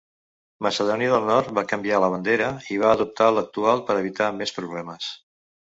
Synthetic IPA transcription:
məsəðɔniəðəlˠnɔɾt̪̚bakəmbialəβənd̪eɾəiβ̞aːðup̚t̪alək̚t̪ualˠpəɾəβ̞it̪amespɾuβ̞lɛməs

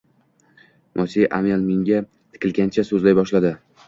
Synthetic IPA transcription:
mʔɒsiʔamelmeŋɡʲa | t̪ʰɪ̥kʲʰɪlɡʲant͡ʃʰasɵzlajbɒʃlad̪ɪ

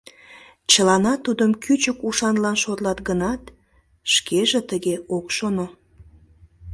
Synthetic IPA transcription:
t͡ɕəlɑnɑt̪ud̪əmkʰyt͡ɕəkuʃɑnlɑnʃot̪lɑt̪ɡənɑt̪ | ʃkʰeʒet̪əɣeokʃono

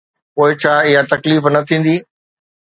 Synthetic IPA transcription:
poːɪt͡ɕʰaːɪɦat̪ɐkliːfnɐt̪ʰĩːn̆d̪iː

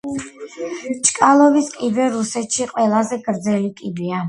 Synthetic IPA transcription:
t͡ʃʼkʼalˠɔviskʼibɛɾusɛt̪ʃiqʼwɛlˠazɛɡɾd̪zɛlikʼib̪ia

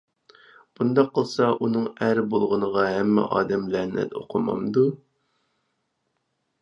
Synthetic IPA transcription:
b̥und̪ɑqʰːəlˠsɑʔunɨŋæɾbolˠʁʊnəʁɑɦæmːɛ̰ʔɑ̰ːd̪ɛmlænɪ̰t̪o̰qʰəmɑ̰md̪u

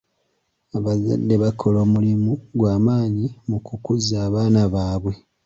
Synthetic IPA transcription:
aβaza̰dːe̞βakʰo̞lo̞ːmulimuɡwaːmaːɲimukukuzaːβaːnaβaːβwe̞

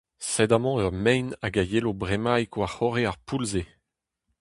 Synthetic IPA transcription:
sɛd̪amɑ̃œʁmɛjnaɡajelobʁemajkwaχɔʁeaʁpulze

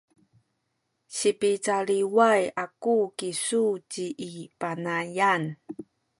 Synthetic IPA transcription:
ɕipit͡saɭiwajakukisut͡ɕiʔːpanajan

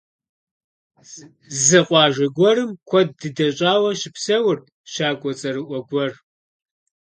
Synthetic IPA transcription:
zɨqʷɑːʒɐɡʷɔɾɨmkʷʰɔd̚dɨdɐɕʼaːwɐʃɪpsɐwʊr | ɕaːɡʷɔt͡sʼɐɾɨʔʷɔɡʷɔr

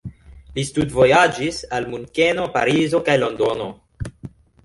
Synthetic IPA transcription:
listudvo̞jad͡ʒisalmunke̞no̞pa̰ɾizo̞kajlo̞ndo̞no̞

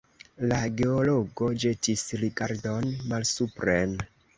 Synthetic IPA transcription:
laɡe̞olo̞ɡo̞d͡ʒe̞tisɾiɡaɾdo̞nmalsupɾen

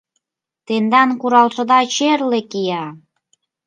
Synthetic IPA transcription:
t̪end̪ɑnkuɾɑlʃɤ̆d̪ɑt͡ɕerlekijɑ

